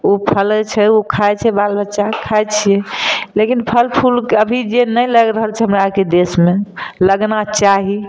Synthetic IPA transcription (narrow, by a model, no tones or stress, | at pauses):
upʰəlt͡ʃʰɛokʰajt͡ʃʰɛbalbətːʃakʰajt͡ʃʰijɛlekinpʰəlpʰulkəbʱid͡ʒenəjləɡɾəɦəlt͡ʃʰɛɦəmɾaaked̪esmeləɡnat͡ʃaɦi